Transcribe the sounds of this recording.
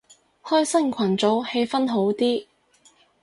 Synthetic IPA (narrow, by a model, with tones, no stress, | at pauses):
hɔː˥jsɐ˥ŋkʷʰɐ˨˩nt͡so˨˥whe˧jfɐ˥nɦo˨˥wt̪iː˥